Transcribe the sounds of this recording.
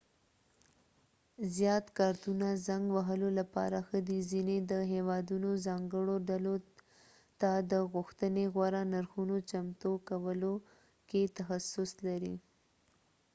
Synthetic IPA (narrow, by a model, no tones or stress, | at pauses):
zjɑt̪kɑɾt̪unazaŋɡwaɦəlolapɑ̰ɾaxəd̪izined̪əɦewɑd̪unozɑŋɡəɽoɖalo | t̪ad̪əɣʊxt̪əneɣwaɾanaɾxunot͡ʃamt̪okawəlo | ket̪axasʊslaɾḭ